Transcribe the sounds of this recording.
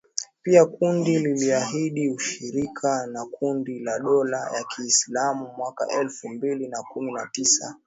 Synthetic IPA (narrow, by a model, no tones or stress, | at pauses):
piakundililiaɦiɗiuʃiɾikʰanakundilaɗɔla̰jakʰiːslamumwaka̰ʔɛlfumbilinakuminatisa